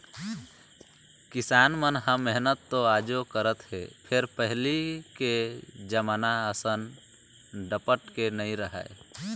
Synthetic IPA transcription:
kɪsanmənɦəmːeɦnət̪ːoad͡ʒokəɾət̪ɦḛpʰeɾpəɦliked͡ʒəmanaəsən | ɖəpəʈkenəĩɾəɦə̰e

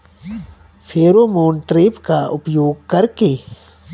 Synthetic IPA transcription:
fʰeːɾoːmoːnʈɾeːpkaʔʊpjoːɡ̚kɐɾkeː

